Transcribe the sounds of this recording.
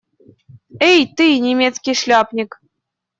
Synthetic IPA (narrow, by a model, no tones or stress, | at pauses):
ejt̪ɨjnʲemʲet̪t͡skʲiʃlʲɑpnʲik